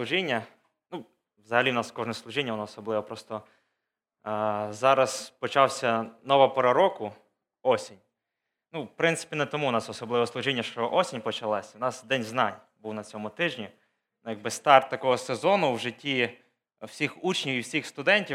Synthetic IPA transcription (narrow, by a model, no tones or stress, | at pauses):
slˠʊʒinʲːɐ | nu | ʋzɐɦɐlʲiwnɑskɔʒnɛslˠʊʒinʲːɐʋɔnɔːsɔblˠɪʋɐpɾɔst̪ɔ | zɑɾɐspɔt͡ʃɑwsʲɐnɔʋɐpɔɾɐɾɔkʊ | ɔsʲinʲ | nufpɾɪnt̪sɪ̥pʲinɛt̪ɔmuwnɑsɔsɔblˠɪʋɔslˠʊʒinʲːɐʃt͡ʃɔʔɔsʲinʲpɔt͡ʃɐlˠɑsʲɐwnɑsd̪ɛnʲznɑnʲ | buwnɐt͡sʲɔmʊt̪ɪʒnʲi | nujɐɡ̚bɪst̪ɑrt̪ːɐkɔɦɔsezɔnʊwʒɪtʲːi | w̥sʲixut͡ʃnʲiwiwsʲixst̪ʊd̪ɛnʲtʲi